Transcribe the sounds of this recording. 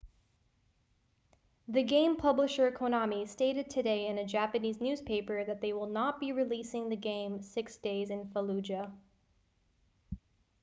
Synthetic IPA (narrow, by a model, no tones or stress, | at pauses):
ðɨɡẽɪ̃mpʰʌbləʃə˞kʰonɑmisteɪɾɨd̚tʰɨdeɪɨ̃nɨd͡ʒæpɨniznʉz̥pʰeɪpə˞ðɨt̪̚ðeɪwɪlˠnət̚b̥iɹilisɪ̃ŋðɨɡẽɪ̃msɪksd̥eɪzɨ̃nfəlʉd͡ʒɨ